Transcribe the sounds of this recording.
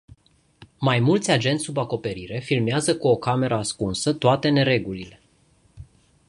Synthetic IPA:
majmult̪sʲad͡ʒe̞nt̪subako̞pe̞ɾiɾe̞filmeazəkuo̞kame̞ɾəaskunsət̪oat̪e̞ne̞ɾe̞ɡulile̞

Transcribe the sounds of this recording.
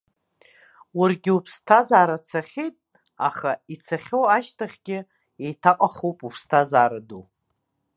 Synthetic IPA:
wʊrɡʲɪupʰstʰazaːɾat͡sʰaχʲejtʼ | a̰χait͡sʰaχʲowaʃtʰaχʲɡʲɪ | ejtʰaqʼaχowpʼupʰstʰazaːɾadu

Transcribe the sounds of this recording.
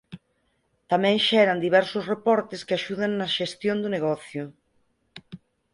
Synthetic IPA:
t̪amɛ̃ŋʃɛɾand̪iβɛɾsʊsrepɔɾt̪ɪskeaʃuðaŋnɐʃest̪jõnd̪ʊneɣ̞ɔθjʊ

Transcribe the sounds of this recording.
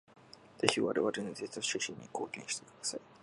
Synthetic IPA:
z̥e̞çiβa̰ɾeβaɾenzet͡soɕiɕĩɲ̟ːiko̞ːkʲẽ̞ɕi̥t̪e̞kɯd̪asai

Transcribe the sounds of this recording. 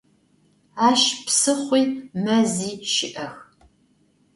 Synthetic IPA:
aːʃpsɨχʷiːmɐziːʃɪʔɐx

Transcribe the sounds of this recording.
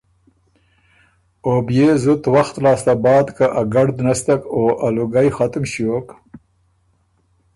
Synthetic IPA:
objezʊt̪waxt̪lɑːst̪abɑːd̪kaʔaɡaɽd̪nast̪akoaluɡajxat̪ɪmɕiok

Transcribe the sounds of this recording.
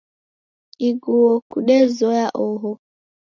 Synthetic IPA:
iɡuwɔkuɗɛzɔjaʔɔɦɔ

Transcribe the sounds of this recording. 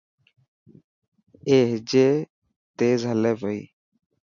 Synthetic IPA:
eːɦd͡ʒeː | t̪eːzɦəlɛːbəḭː

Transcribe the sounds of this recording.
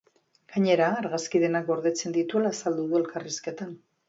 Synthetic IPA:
ɡ̥aɲe̞ɾaːɾɣaskiðe̞nak̚ɡo̞ɾðe̞t͡se̞nd̪it̪ue̞laːsald̪uðue̞lkariske̞t̪an

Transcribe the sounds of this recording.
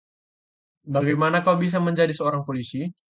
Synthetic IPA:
baɡajmanakawbis̬aməɲd͡ʒadisəoɾaŋpolisi

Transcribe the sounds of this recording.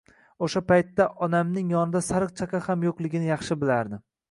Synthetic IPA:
oʃapajt̪ːaʔɒnamnɪŋjɒnɪd̪asaɾɨq̚t͡ʃʰakʲɑhamjoqlˠɪɡʲɪnɪjɑχʃɪbɪlaɾd̪ɪ

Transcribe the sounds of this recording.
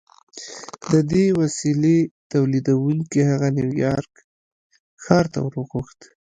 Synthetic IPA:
d̪əd̪ewasilet̪awlid̪awuŋkihaɣanjiwjɑɾk | xɑɾt̪a̰wəɾoɣuxt̪

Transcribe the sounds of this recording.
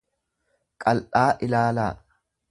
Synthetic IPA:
kʼɐlʔaːʔɪlaːlaː

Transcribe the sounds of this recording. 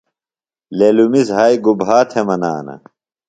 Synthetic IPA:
lelumisɦaːjɡubɦaːt̪ʰemɐna̰ːnɐ̰

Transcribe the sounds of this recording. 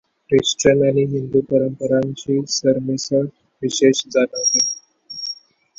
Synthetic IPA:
ɾesʈɾənañiɦind̪upəɾəmpəɾaɲt͡ɕisəɾmesəɾ | ʋiɕeʃd͡zanɦot̪e

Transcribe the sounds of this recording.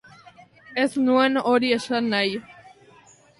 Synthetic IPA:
esnuenoɾieʃanːaj

